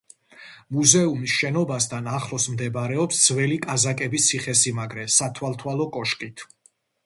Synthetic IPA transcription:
muzɛumisʃɛnɔbast̪ʰanaχlˠɔsmd̪ɛbaɾɛɔpsd̪z̥vɛlikʼazakʼɛbist̪sʰiχɛsimaɡɾɛsat̪ʰwalˠt̪ʰwalɔkʼɔʃkʼit̪ʰ

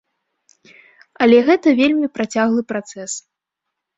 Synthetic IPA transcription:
ɐlʲɛɣɛt̪ɐvʲelʲmʲipɾat͡sʲaɣlˠɨpɾat̪sɛs

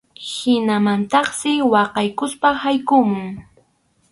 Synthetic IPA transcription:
hɪnamant̪ɑχsɪwɑqɑjkʊspahajkʊmʊŋ

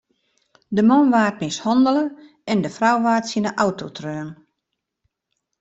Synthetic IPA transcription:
dəmɔnʋaːt̚mɪshɔndələ | ɛndəfrawʋaːtsinəʔawtʰotʰrøːən

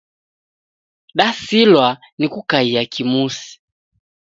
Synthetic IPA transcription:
ɗasilwa | nikukaiakʰimusi̥

